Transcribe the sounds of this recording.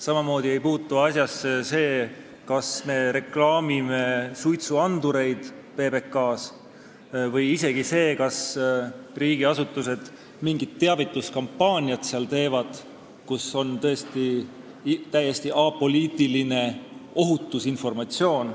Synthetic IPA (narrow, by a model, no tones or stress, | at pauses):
sɑmɑmo̞ːd̪̥ie̞jpuːt̪ːˑuɑsjɑsːese̞ː | kɑsme̞ːɾe̞klɑːmime̞sujt̪suɑnd̪̥uɾe̞jd̪̥ | pe̞ːbe̞kːɑːs | vɤjise̞ɡ̥ise̞ːkɑs | riːɡ̥iɑsut̪ːˑuse̞d̪̥ | miŋɡ̥it̪tːeɑvit̪ːˑuskɑmpːɑːnʲiɑt̪seɑlt̪e̞ːvɑd̪̥ | kuso̞nt̪ɤ̞est̪i | t̪æje̞st̪iʔɑːpo̞liːt̪ˑiline̞o̞ɦut̪ːˑusinfo̞rmɑt̪sio̞ːn